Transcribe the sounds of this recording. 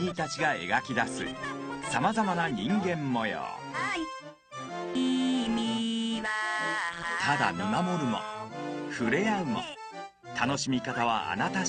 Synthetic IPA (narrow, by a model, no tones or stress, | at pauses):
ɾʲit̪at͡ɕiɡae̞̰ɡakʲid̪asɨ̰samazamanaɲĩŋɡẽ̞mːo̞jo̰ | t̪ʰad̪a̰mʲimamo̞ɾɯ̟mo̰ɸɯ̟ɾe̞aɯ̟mo̰ | t̪ʰano̞ɕimʲikat̪aβ̞a̰a̰nat̪a